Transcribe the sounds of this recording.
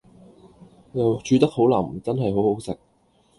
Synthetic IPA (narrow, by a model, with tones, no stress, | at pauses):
jɐ˨wt͡ʃyː˨˧t̪ɐ˥k̚ho˨˥wlɐ̰˨˩m̩˨˩t͡sɐ˥nɦɐ˨jɦo˨˥who˨˥wsɪ˨k̚